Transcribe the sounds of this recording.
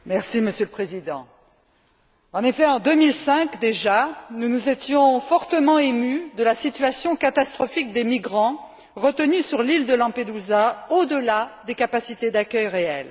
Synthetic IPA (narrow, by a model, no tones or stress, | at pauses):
mɛʁsiməsjøləpχezid̪ɑ̰̃ | ɑ̃nefɛɑ̃d̪əmilsɛ̃kd̪eʒanunuzet̪jɔ̃fɔʁt̪əmɑ̃emyd̪əlasit̪ɥasjɔ̃kat̪ast̪χɔfik̚d̪emiɡʁɑ̃ | ʁət̪ənysyʁlild̪əlɑ̃ped̪uzaod̪əlad̪ekapasit̪ed̪akʲœjʁeɛl